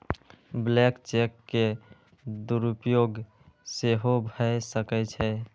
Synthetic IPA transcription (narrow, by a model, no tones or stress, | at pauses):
blekt͡ʃekːe | d̪uɾupjoɡ | seɦobʱəjsəkɛt͡ʃʰɛ